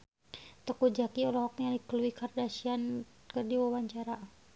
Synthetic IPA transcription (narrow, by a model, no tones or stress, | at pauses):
t̪əkud͡ʒakiɔlaɦɔk̚adikəluikardasian | kərdiwawaɲt͡ʃaɾa